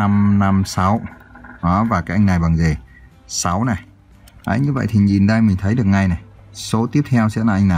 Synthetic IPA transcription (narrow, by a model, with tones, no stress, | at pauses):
a˧mna˧msa˨˦wʔɔː˨˦vaː˨˩kaː˨˦˥ʔa˧ŋ̟na˨˩jɓaː˨˩ŋze˨˩ | sa˨˦wna˨˩j | ʔa̰ː˨˧˦ɲɨ˧və̰˧˨jt̪ʰi˨˩ɲi˨˩nɗa˧jmï˨˩ŋ̟t̪ʰə˨˦jɗɨ˨˩ək̚ŋa˨˧˩jna˨˩j | so˨˦t̪i˦˥əp̚t̪ʰɛ˧wsɛ̰˧˥laː˨˩ʔa˧ŋna˨˩j